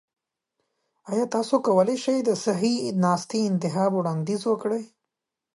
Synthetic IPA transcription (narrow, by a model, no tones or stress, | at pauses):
ajɑːt̪ɑsokawəleʃajd̪əsaɦinɑːst̪iɪnt̪ɪɦɑːbuwɽɑːnd̪izwəkɽəj